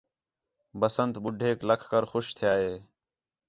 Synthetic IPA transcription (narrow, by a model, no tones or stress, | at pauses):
bəsənt̪ɓʊɖʱeːkləkʰkəɾxʊʃt̪ʰɪjaːɦeː